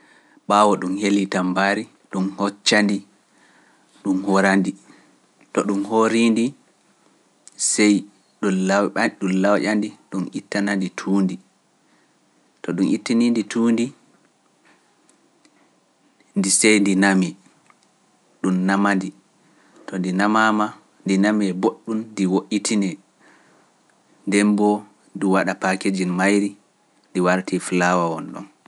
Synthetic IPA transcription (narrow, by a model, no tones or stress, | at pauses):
ɓawɔɗumhelitambaɾi | ɗumhɔt͡ʃːandi | ɗumhɔɾandi | tɔɗumhoɾindi | sɛj | ɗumlawʔandiɗunʔitːananditʰuːndi | tɔɗumʔitːininditʰuːndi | ndisɛjndinami | ɗumnamandi | tɔndinamama | ndinamiɛboɗːundiwoʔitʰinɛ | ndɛmbɔ | diwaɗapaked͡ʒinmajɾi | ndiwaɾtiflawawɔnɗɔ̰n